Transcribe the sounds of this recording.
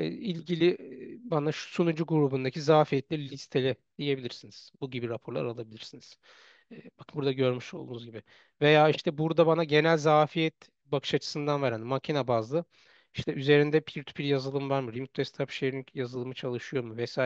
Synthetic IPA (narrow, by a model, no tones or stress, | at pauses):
ɛilʲɟilʲibanaʃu̥sunud͡ʒuɡuɾubund̪acʰizaːfijɛt̪lʲiɾlʲist̪ʰelʲɛd̪̥ije̞bilʲiɾsiniz̥buɟibiɾapʰoɾlˠa̰ɾalˠabilʲiɾsiniz̥ | ɛːbakʰɯbuɾd̪aɟø̞ɾmyʃo̞lˠd̪uːnuzɟibi | ve̞jaːiʃt̪ʰɛbuɾd̪abanaɟe̞nælʲzaːfijɛt̪ | bakʰɯ̥ʃat͡ʃʰɯ̥sɯnd̪anvaɾand̪imacʰinabazlˠɯ | iʃt̪ʰɛyze̞ɾind̪ɛpʰiɾt̪ʰy̥pʰiɾjazɯlˠɯmvaɾmɯɾimut̪̚ʰɛst̪ʰapʃejɾininjazɯlˠɯmɯt͡ʃʰalˠɯʃɯjo̞ɾmuvɛsaː